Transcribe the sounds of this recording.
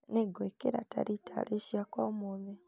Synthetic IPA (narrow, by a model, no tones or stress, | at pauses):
neɡwekeɾa̰ta̰ɾitʰa̰ɾeʃiakwaumoðɛ